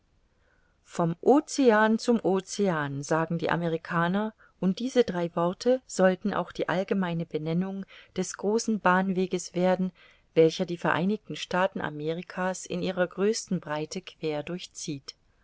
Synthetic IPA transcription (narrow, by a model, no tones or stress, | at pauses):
fɔmʔoːt͡seaːnt͡sʊmʔoːt͡seaːnzaːɡŋ̩dḭːʔa̰məʁikʰaːnɐ | ʔʊnt̚d̥iːzədʁaɪvɔɐtʰəz̥ɔltn̩ʔa̰ʊxd̥iːʔalɡəmaɪnəbənɛnʊŋd̥ɛsɡ̥ʁoːsn̩baːnveːɡəsv̥eːɐdn̩ | vɛlçɐdiːfɛɐʔaɪnɪç̚tn̩ʃtaːtn̩ʔa̰meːʁ̞ikʰaːsɪ̰nʔiːʁ̞ɐɡʁøːstn̩bʁaɪtʰəkʰv̥eːɐdʊɐçt͡siːt